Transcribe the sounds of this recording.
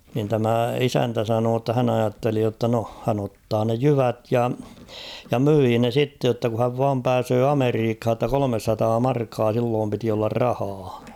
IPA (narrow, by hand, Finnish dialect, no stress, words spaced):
nin tæmæ isæntæ sɑnoː tːɑ hæn ɑjɑtːeli jotːɑ no hæn otːɑː ne jyʋæt jɑ jɑ myiː ne sitːe jotːɑ ku hæʋ ʋɑːm pæːsøː ɑmeriːkh̝ɑ tːɑ kolomesːɑtɑː mɑrkːɑː silːoːm piti olːɑr rɑhɑː